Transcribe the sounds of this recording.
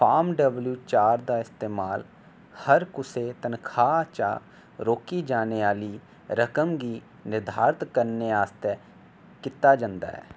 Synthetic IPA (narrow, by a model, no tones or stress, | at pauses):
pʰaːmɖəbljuːt͡ʃaːɾd̪aːɪst̪eːmaːl | həɾkʊseːt̪ənkʰaːt͡ʃa̰ | ɾoːkiːd͡ʒaːneːaːliː | ɾəkəmɡiː | nɪɾd̪ʱaːɾɪt̪kəɾneːaːst̪ɛː | kɪt̪ːaːd͡ʒãnd̪a̰ːɦɛ̰ː